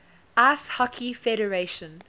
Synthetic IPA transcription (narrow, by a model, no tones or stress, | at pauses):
ashakʰifɛɾəɹeʃə̃n